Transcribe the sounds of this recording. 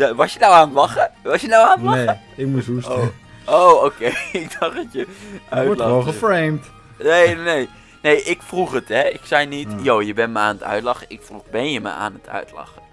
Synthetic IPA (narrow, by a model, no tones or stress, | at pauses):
ʋɑsjənawaːnətlɑχəʋɑsjənawaːnətlɑχə | ɪk̚musɦuso | owowkejɪɡ̚d̥ɑχdɑtjəʔœlɑoəfrejmt | nejnej | nejʔɪkfruχətɛɪksɛjnitjowjəbɛnməaːnətœ̰ɥtlɑχəɪkfruχbɛnjəmə̰a̰ːnətʰœ̰ɥtlɑ̰χə